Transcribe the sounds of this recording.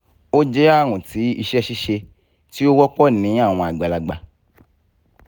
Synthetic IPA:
o˦d͡ʒɛ˦a˦˨ɾ̃ũ˨ti˨˦i˧ʃɛ˦ʃi˦ʃe˧ | ti˦o˦wɔ˦k͡pɔ˦nĩ˨˦a˦˨w̃ɔ̃˧a˨ɡ͡ba˨la˨ɡ͡ba˨

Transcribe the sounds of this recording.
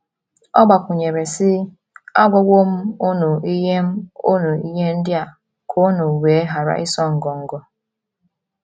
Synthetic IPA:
ɔ˦ɡ͡ba˨kʷʊ˨ɲe˨ɾe˨sɪ˦ | a˦ɡʷɔ˦ɡʷo˦m̩˦o˦no˨i˦ɦe˦m̩˦o˦no˨i˦ɦe˦n̩˦dɪ˦a˨ | kʰo˦no˨weː˨˦e˦ɦa˨ɾa̰˨ʔɪ˦sɔ˦ŋ̩˨ɡɔ˨ŋ̩˦ɡɔ˦

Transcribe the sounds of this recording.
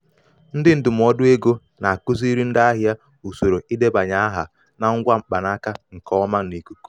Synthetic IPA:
n̩˦dɪ˦n̩˦dʊ˨m̩˨ɔ˦dʊ˦e˦ɡo˦ | na˨a˨kʊ˦zi˦ɾi˦n̩˦da˦ɦja˦ | u˨so˨ɾo˨i˦de˦ba˨ɲa˦a˦ɦa˨ | na˨ŋ̩˦ɡʷa˦m̩˦k͡pa˨na˦ka˦ŋ̩˨kɔ˦ma˦ni˨ku˦ku̥˦

